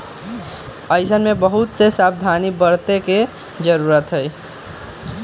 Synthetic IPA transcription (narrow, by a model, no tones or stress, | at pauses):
əjsənmebəɦut̪sesab̚d̪ʱanibəɾt̪eke | d͡ʒəɾuɾət̪ɦəj